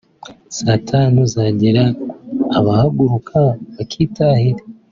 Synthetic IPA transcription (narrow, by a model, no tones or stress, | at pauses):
satʰanuzaɟeɾaː | βahaɡuɾukʰaβakʰiːtʰaːhiɾe